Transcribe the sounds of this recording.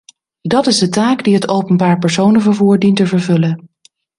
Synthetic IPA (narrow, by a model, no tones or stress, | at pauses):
dɑtɪzdətaːɡdiɦətowpənbaːɹpɛɹsownəvəɹvuːɹdintəvəɹvɵlən